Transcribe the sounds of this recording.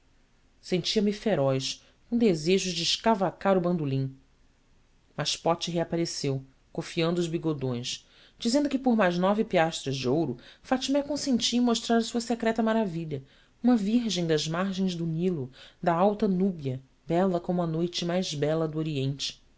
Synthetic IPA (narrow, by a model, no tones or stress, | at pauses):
sẽnt͡ʃiɐmifeɾɔjs | kõd̪ezeʒʊd͡ʒɪːʃkavakaɾʊbɐ̃nd̪ulĩ | mɐʃpɔt͡ʃɪɦeapaɾesew | kofiɐ̃nd̪ʊːzbiɡod̪õj̃s | d͡ʒizẽnd̪ʊkɪpoɾmajznɔvɪpiaʃt̪ɾɐzd͡ʒiowɾʊfat͡ʃimɛkõsẽnt͡ʃĩmoʃt̪ɾaɾɐsuɐsekɾɛt̪ɐmaɾaviʎɐ | ũmɐviɾʒẽj̃d̪ɐzmaɾʒẽj̃zd̪ʊnilʊd̪ɐawt̪ɐnubiɐ | bɛlɐkõmʊɐnojt͡ʃɪmajzbɛlɐd̪uoɾiẽnt͡ʃɪ̥